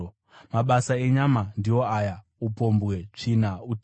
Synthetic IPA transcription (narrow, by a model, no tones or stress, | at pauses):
maɓasae̞ɲamandijo̞aja | upo̞mbwet͡ʂinau